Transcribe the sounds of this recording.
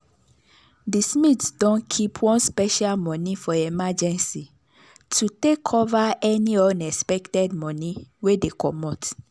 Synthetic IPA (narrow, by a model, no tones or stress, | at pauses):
dismitdõnkʰipʰwɔ̃nspɛʃalmɔ̃nifɔimad͡ʒɛ̃nsi | tʰutekʰɔvaʔɛniɔ̃nɛspɛktɛd̚mɔ̃niwedekʰɔmɔt